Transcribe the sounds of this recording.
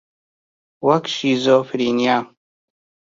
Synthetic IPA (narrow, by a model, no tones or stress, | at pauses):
wakʰʃizofɾinja